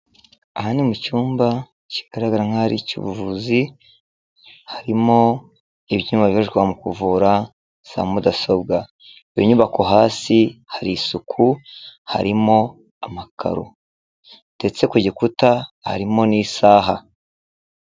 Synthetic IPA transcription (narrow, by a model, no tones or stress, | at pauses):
ahanimucuːmba | ci̥ɡ̥aɾaɡaɾaŋ̥aɾḭcṵβuvuzi | haɾimo̞ | iβjuːmbaβjioʃkwamukuvuɾa | sa̰mudaso̞bɡa | joɲuβakoɦaːsihaɾisukʰuha̰ɾimo̞ | amakʰa̰ɾo̰ | d̥et͡se̞kuɟekutaha̰ɾimo̞niːsaːɦa